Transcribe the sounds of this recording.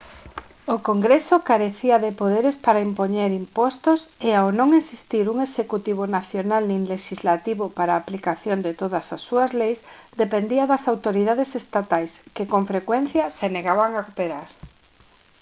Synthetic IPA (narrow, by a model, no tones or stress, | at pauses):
okoŋɡɾesokaɾeθiaðepoðeɾespaɾaimpoɲeɾimpɔst̪ʊseawnõŋesist̪iɾuŋesekut̪iβ̞onaθjonalninleʃizlat̪iβopaɾaːplikaθjond̪ɪt̪oðasasːuazlejsd̪epend̪iaðasawt̪oɾið̞að̞esest̪at̪ajskekoɱfɾekwen̟θjaseneɣaβaŋakopeɾaɾ